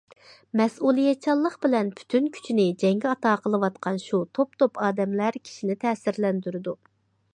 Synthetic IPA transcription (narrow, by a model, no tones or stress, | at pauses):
mɛsulˠijɛt͡ʃʰɑlˠːəqbɪlɛnpʰy̥t̪ʰynkʲʰy̥t͡ʃʰinɪd͡ʒɛŋɡʲɛɑt̪ɑːqʰəlˠəwɑt̪qʰɑnʃut̪ʰop̚t̪ʰopɑːd̪ɛmlæɾkʲʰi̥ʃinɪt̪ʰɛːsɪɾlɛnd̪yɾɪd̪u